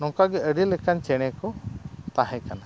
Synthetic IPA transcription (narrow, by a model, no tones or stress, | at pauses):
nɔ̃ŋkaɡɛəɖilɛkant͡ʃɛɽ̃ɛkɔt̪aɦɛ̃kana